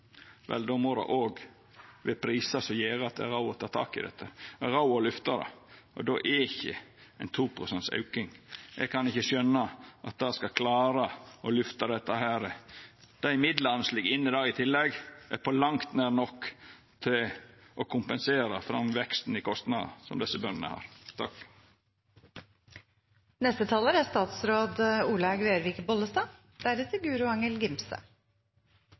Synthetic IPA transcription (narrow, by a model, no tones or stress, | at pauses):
ʋɛ̰ld̪ɔmoɾɑ̰ʔoːɡ | ʋɪpʰɾiːsɑsɔjeːɾəɑt̪̚d̪ɛ̰æ̰ɾɑʊɔt̪ʰɑːt̪ʰɑ̰ːkɪ̰d̪ɛ̰t̪ːəɛɾɑʊɔlʏft̪ɑd̪ɑ̰ɔ̰d̪oːʔɛɪçə̰æɪnt̪ʰuːpʰɾʊsɛnt̪sɑ̰ʉkɪŋʔɛ̰ɡkʰɑnɪçəʃœnːəʔɑt̪̚d̪ɑskɑkʰlɑːɾəɔlʉft̪ɑd̪ɛt̪ːəhæːɾəd̪̥æɪmɪd̪lɑnəslɪɡɪnːəd̪ɑːɪt̪ʰɪlːɛɡæ̰ɾpʰɔlɑŋt̪næːɾnɔkː | t̪ʰɪlʔɔkʰʊmpənseːɾəfɾɑmʋɛkst̪n̩ɪkʰɔst̪nɑːd̪ə̰sɔ̰md̪ɛsːəbœnnə̰hɑ̰ɾt̪ʰɑk | nɛst̪ət̪ʰɑːləɾæst̪ɑːt̪sɾoːd̪əuːlɑɡʋeːɾʋɪːkbɔlːəst̪ɑː | d̪̥æɾɛt̪ʰːəɡʉːɾʊɑŋəlɡɪmsə̰